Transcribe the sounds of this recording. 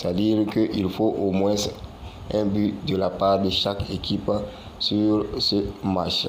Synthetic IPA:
tad̪iʁkəʔilfoʔomwɛ̃s | ɛ̃byd̪əlapaʁd̪əʃakekʰip | syʁsəmat͡ʃ

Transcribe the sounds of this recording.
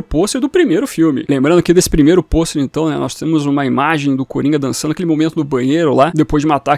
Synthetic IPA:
ʊposeɾd̪ʊpɾimejɾʊfiwmɪ̰lẽmbɾɐ̃d̪ʊakɪd̪esɪ̥pɾimejɾʊpost̪ɪẽnt̪ɐ̃w̃nɛ̰nɔst̪ẽmʊzũmɐimaʒẽj̃d̪ʊkoɾĩɡɐd̪ɐ̃sɐ̃nd̪akelɪmomẽnt̪ʊd̪ʊbɐ̃ɲejɾʊlad̪epojzd͡ʒɪmat̪a

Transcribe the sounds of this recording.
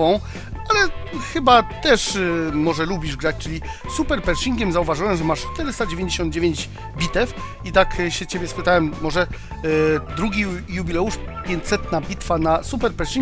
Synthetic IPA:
vɔ̃w̃ | alɛxɘbat̪ɛʂmɔʐɛlubʲiʐɡɾat͡ɕt͡ʂɘlʲi | supɛɾpɛɾʂiŋɡʲɛmzauvaʐɨwɛmʐɛmaʂt͡ʂt̪ɛɾɘst̪ad͡ʑevʲẽɲd͡ʑeɕɔnd̪̚d͡ʑevʲeɲd͡ʑ | bʲit̪ɛf | it̪akɕɛt͡ɕebʲjɛspɘt̪awɛmːɔʐɛ | d̪ɾuɡʲijubʲilɛuʂpʲjeɲt͡ɕsɛt̪nabʲit̪fanasupɛɾpɛɾʂiŋ

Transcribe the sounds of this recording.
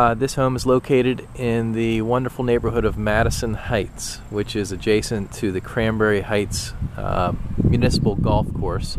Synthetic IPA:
ðɪshõʊ̃məzloʊkʰeɪɾɨɾɪ̃nðɨwʌ̃ndə˞fl̩ˠneɪbə˞ɦʊɾʌvmæɾɨsɨ̃nhaɪts | wɨt͡ʃɪzɨd͡ʒeɪsɨ̃ntʰɨðɨkʰɹ̥æ̃mbɛɹihaɪts | mjʉnɪsə̥pl̩ˠɡɔlˠfkʰɔɹs

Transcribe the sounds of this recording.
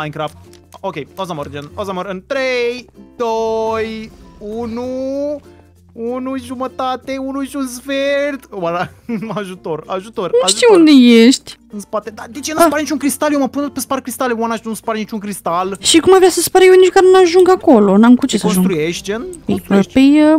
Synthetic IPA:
ajnkɾaft̪̚okʲejozamərd͡ʒenozaməɾɨnt̪ɾejd̪ojunu | unuʒumət̪at̪eunuʃunsfeɾt̪waɾa | aʒut̪o̞ra̰ʒut̪oraʃʒt̪iund̪ejeʃt̪ʲ | ɨnspat̪ed̪ad̪et͡ʃenuspaɾnit͡ʃuŋkɾist̪aljeməpun̚pesparkɾist̪alewanaʃt̪nuspaɾnit͡ʃuŋkɾist̪alʃikumajvɾeasəspaɾəjewnit͡ʃkaɾnaʒuŋɡakolonamkut͡ʃesaonsʒsuɡt̪ɾujeʃt̪̚ʲd͡ʒenpeeʃpej

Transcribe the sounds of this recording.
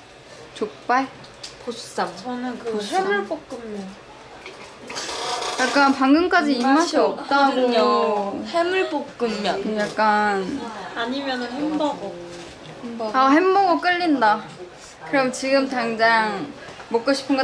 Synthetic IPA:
t͡ɕok̚p͈aɭ | posʰu̥s͈amt͡ɕʌnɯnkɯhemuɭpok̚k͈ɯmjʌn | jak͈̚anpaŋɡɯmk͈ad͡ʑiːmːaɕʰiʌp̚t͈aɡo | hemɯɭp͈ok͈ɯmːjʌjak̚k͈anaɲimjʌnɯnhombʌɡo | aɦemːoɡok͈ɯʎːinda | kɯɾʌmjʌt͡ɕiɡɯmtaŋd͡ʑaŋmok͈oɕʰi̥pʰɯnŋɡʌ

